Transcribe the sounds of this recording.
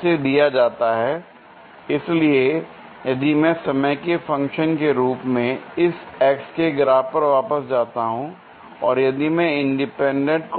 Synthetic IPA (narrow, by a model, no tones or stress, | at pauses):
sed̪ijad͡ʒaːt̪aɦɛː | ɪslie | jɐd̪imɛ̃ːsɐməjkefɐ̃ŋkʃənkeɾuːpmẽɪsɛːkskeɡɪɾaːɦpɐɾʋaːpəsd͡ʒaːt̪aɦũ | ɔːɾjɐd̪imɛ̃ɪ̃ɳɖɪpɛ̃ːɳɖə̃ɳʈk